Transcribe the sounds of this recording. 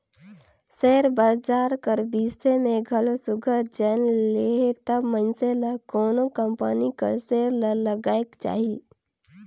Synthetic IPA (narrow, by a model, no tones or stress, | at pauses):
seːɾbəːd͡ʒaːɾkəɾbiːsemẽɡʱɐlosʊɡʱəd͡ʒənleet̪əbmənseləkɔːnokə̃mpənikə̰ɾseːɾlələɡaːekt͡ʃa̰ːɦi